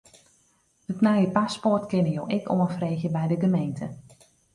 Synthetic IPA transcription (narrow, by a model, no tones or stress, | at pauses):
ətnajəpaspɔrtkɪnəjowʔɪko̰ənfreːxjəbɛjdəɡəmejntʰə